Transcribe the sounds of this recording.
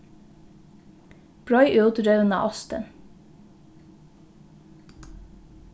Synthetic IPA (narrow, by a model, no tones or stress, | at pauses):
b̥ɹɔʏʔøt̪ɾœʉnɑ̰ːʔɑst̪ə̰n